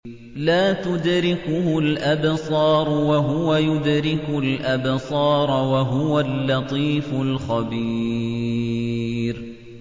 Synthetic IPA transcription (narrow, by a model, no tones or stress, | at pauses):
laːt̪ʊd̪ɾɪkʊhʊlʔabsˤɑːɾˤʊwaɦʊwajʊd̪ɾɪkʊlʔabsˤɑːɾˤwaɦʊwalːɑt̪ˤiːfʊlxabiː | ɾ